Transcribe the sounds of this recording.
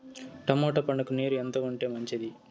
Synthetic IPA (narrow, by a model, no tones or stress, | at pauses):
ʈɐmoːʈɐpɐɳɐkuneːɾuent̪oːuɳʈeːmɐɲt͡ʃid̪i